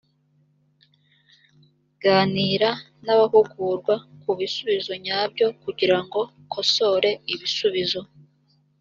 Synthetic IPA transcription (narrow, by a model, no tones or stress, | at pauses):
ɡ̥aːniːɾa | naβaɦuɡuːɾɡwakuβisuβizo̞ɲaːbɟo̞kuɟiɾaŋɡo̞ | kʰo̞so̞ɾe̞iβisuβizo̞